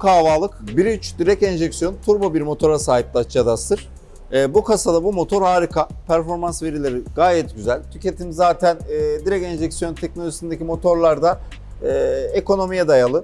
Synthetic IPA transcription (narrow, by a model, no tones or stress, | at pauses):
kʰaːvaːlˠɯkbiɾyt͡ʃd̪iɾɛcɛnʒɛcsjo̞nt̪ʰuɾbabiɾmo̞t̪ʰo̞ɾasaːɦip̚lʲatjad̪ast̪ʰɯɾ̥ | ɛːbukʰasad̪abumo̞t̪ʰo̞ɾhaːɾikʰapʰæɾfo̞ɾmansve̞ɾilʲe̞ɾiɡ̥aːjɛt̪̚ɟyzælʲt̪ʰyce̞t̪ʰimzaːt̪ʰænːd̪iɾɛcɛnʒɛcsijo̞nt̪ʰɛc̚nolʲoʒisind̪ecimo̞t̪ʰo̞ɾlˠaɾd̪aː | eko̞no̞mijɛd̪ajalˠɯ